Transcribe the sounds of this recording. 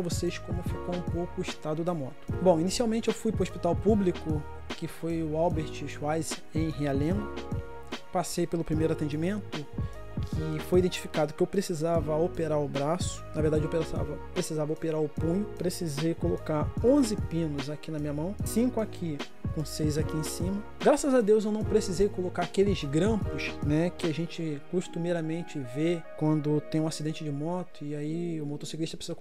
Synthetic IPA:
ɐvoseskõmʊfikõũpowkʊʊiʃt̪ad̪ʊd̪ɐmɔt̪ʊ̥bõw̃inisiawmẽnt͡ʃɪewfujpɾʊospit̪awpublikʊ | kɪfojʊawbeɾt͡ʃɪʃuajz | ẽj̃ɦialẽn | pasejpelʊpɾimejɾʊat̪ẽd͡ʒimẽnt̪ʊ | kʰɪfojid̪ẽnt͡ʃi̥fikad̪ʊkɪewpɾesizavɐopeɾaɾʊbɾasʊ̥nɐveɾd̪ad͡ʒɪewpesa̰vɐpɾesizavɐopeɾaɾʊpũɲʊpɾesizejkolokaɾõzɪpĩnʊzakinɐmĩɲɐmɐ̃w̃sĩkʊakʰi | kõsejzakiẽsĩmɐ | ɡɾasɐzad̪ewzewnɐ̃w̃pɾesizejkolokaɾakelɪzɡɾɐ̃pʊʃnɛkɪaʒẽt͡ʃɪkuʃt̪umeɾɐmẽnt͡ʃɪvekwɐ̃nd̪ʊt̪ẽj̃ũasid̪ẽnt͡ʃɪd͡ʒɪmɔt̪ʊɪaiʊmot̪osikɾiʃt̪ɐpɾesizɐ

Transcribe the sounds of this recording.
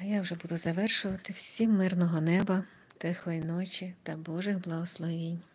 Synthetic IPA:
ɐjawʒɛbud̪ʊzɐʋɛrʃʊʋɐt̪ɪwsʲimːɪrnɔɦɔnɛbɐ | t̪ɪxɔinɔt͡ʃit̪ɐbɔʒɪɣblˠɐɦɔslˠɔʋʲinʲ

